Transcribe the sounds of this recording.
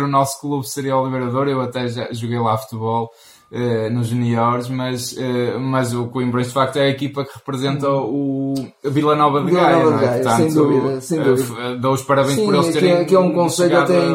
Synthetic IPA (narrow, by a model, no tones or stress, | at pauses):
ɾunɔsu̥klˠuβsɨɾiɐɔlˠiβɨɾɐðoɾewɐt̪ɛʒaʒuɣejlˠafu̥t̪ɨβɔlˠ | ɛnuʒuniɔɾʃmɐʃɛmɐzukwĩmbɾẽʃd̪fak̚t̪uɛɐikipɐkɨʁɨpɾɨzẽnt̪ɐuvilˠɐnɔβɐðviɣaɐj̪ɔvɐðnɛɣajɾt̪ɐ̃nẽj̃t̪d̪uβiðɐsẽj̃uiðowuʃpɐɾɐβẽj̃ʃʃpɔɾelˠt̪ɾɐkiɛũkõsejʎt̪t̪ẽ